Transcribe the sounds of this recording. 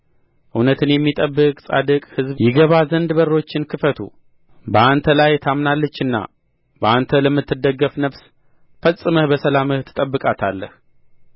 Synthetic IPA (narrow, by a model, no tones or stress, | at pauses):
ʔɨwnət̪ʰɨnjɛmːit̪ʼəbːɨkʼsʼa̰d̪əkʼhɨzbjɪɡəβazənd̪bəɾːo̞t͡ʃːɪnkʰɨfət̪ʰṵ | bəant̪ʰəlajt̪ʰamnalːət͡ʃːɨnːa̰ | bəʔant̪ʰələmːɨt̪ːɨd̪əɡːəfnəβs | fəsʼɨməhbəsəlaməht̪ʰːɨ̥t̪ʼəbːɨkʼat̪ʰalːə̰h